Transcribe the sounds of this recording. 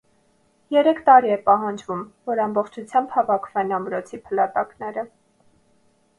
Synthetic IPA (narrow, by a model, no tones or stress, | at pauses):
jɛɾɛkʰt̪ɑɾiɛpɑɦɑnd͡ʒvumvɔɾɑmbɔχt͡ʃʰut͡sʰjɑmbhɑvɑkʰv̥ɛnɑmɾɔt͡sʰipʰəlɑt̪ɑknɛɾə